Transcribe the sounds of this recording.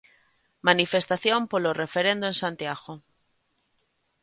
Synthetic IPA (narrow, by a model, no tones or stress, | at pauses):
manifest̪aθjõmpolorefeɾẽnd̪uẽnsãnt̪iaɣo